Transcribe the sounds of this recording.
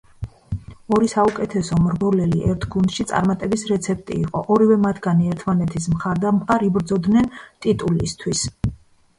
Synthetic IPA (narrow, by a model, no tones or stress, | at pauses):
ɔɾisaukʼɛt̪ʰɛsɔmɾbɔlɛliʔɛɾt̪ʰɡund̪̥ʃit̪sʼa̰ɾmat̪ʼɛbisɾɛt̪sʰɛp̚ʰt̪ʼḭːqʼɔʔɔɾivɛmat̪ʰɡaniɛɾt̪ʰmanɛt̪ʰismχaɾd̪amqʼaɾibɾd̪zɔd̪nɛnt̪ʼit̪ʼulist̪ʰwis